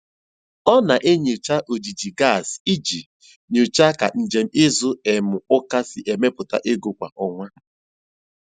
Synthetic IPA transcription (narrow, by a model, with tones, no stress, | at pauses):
ɔ˦na˨ʔe˦ɲe˨t͡ʃa˦ʔo˨d͡ʒi˨d͡ʒi˨ɡa˦˨si˦d͡ʒi˨ | ɲo˨t͡ʃa˦ka̰˨n̩˨d͡ʒe˨m̩˦ɪ˦zʊ˦e˨mʊ˨ʊ˦ka˦sɪ˨ʔe˨me˦pʊ˨ta̰˦ʔe˦ɡo˨kʷa̰˨ʔɔ˦ŋʷa˦